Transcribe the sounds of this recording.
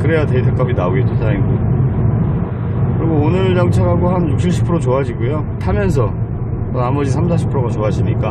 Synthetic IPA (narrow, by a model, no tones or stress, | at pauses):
kɯɾe̞jatetʰe̞k͈apʰinaoɡet͈ʰosʰaiŋɡo | kɯɾiɡoonɯɭjʌŋt͡ɕʰaɡaɡoɦanjuk̚ɕʰiɭɕʰi̥pʰɯɾot͡ɕoad͡ʑiɡojo | tʰamjʌns̬ʰʌ | ʌamʌd͡ʑisʰams̬ʰaɕʰi̥pʰɯɾoɡat͡ɕoɦad͡ʑʰiɲik͈a